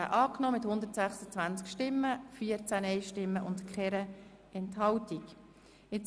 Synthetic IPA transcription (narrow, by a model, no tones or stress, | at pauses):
ə̰ʔɑːknɔmɪthʊnd̪əɾtsæχsət͡svænt͡skʃtɪmːəfiːəɾt͡sænɛɪʃtɪmːəʔʊndkʰχɛɾə | ɛnthɑltik | ɪt͡s